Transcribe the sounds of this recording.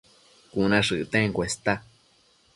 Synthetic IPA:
kũnãʂɨʔt̪ẽŋkwest̪a

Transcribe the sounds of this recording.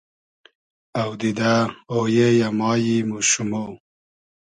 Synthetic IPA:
awd̪id̪aojejamɑːjimuʃumo

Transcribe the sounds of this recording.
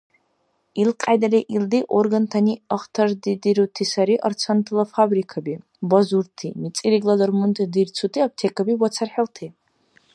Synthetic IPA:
ilqʼajd̪aleʔild̪iʔorɡant̪ʰaniaχt̪ʰard̪id̪iɾut̪ʰisaɾiʔɐrt͡sʰant̪ʰlˠafabrikʰabi | bɔzuɾt̪ʰimit͡sʼiɾiɡlˠad̪ɔrmunt̪ʼd̪irt͡sʰut̪ʰiap̚t̪ʰekʰabiwɔt͡sʰarħɛlt̪ʰi

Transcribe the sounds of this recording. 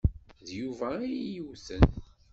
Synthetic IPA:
ðjuvæijəwθən

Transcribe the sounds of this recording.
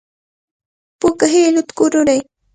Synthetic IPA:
pʊkaɦelʊt̪kʊɾʊɾaj

